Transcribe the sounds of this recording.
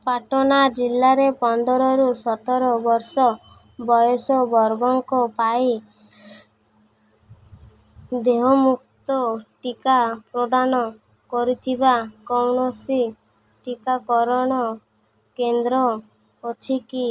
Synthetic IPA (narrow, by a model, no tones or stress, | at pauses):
paʈɔnad͡ʒilːaɾepɔnd̪ɔɾɔɾusɔt̪ɔɾɔbɔɾsɔ | bɔjɔsɔbɔɾɡɔŋkɔpaj | d̪eɦomuk̚t̪ɔʈikapɾɔd̪anɔ | kɔɾit̪ʰibakɔwɳɔsi | ʈikakɔɾɔɽ̃ɔ | kend̪ɾɔː | t͡ʃʰiki